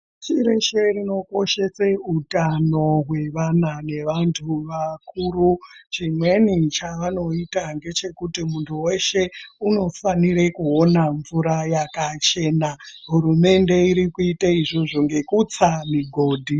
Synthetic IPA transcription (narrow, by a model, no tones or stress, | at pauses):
t͡ʃiɾe̞ʃerino̞ko̞ʃe̞seutano̞ɦwe̞ʋanane̞ʋantʰuʋakuːrut͡ʃimwe̞nit͡ʃaʋano̞itaŋɡe̞t͡ʃe̞kutimuntʰuwe̞ʃe̞uno̞faniɾekuo̞naɱvuɾajakat͡ʃe̞ːnaɦuɾume̞nde̞iɾikuitaiʐoʐoŋɡe̞kut͡samiɡʱo̞ːdʱi